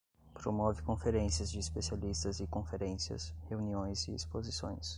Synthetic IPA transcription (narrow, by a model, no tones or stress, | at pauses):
pɾomɔvɪkõfeɾẽsiɐzd͡ʒɪːspesialist̪ɐzɪkõfeɾẽsiɐ̰sheuniõj̃zɪ̰ḭspozisõ̰j̃s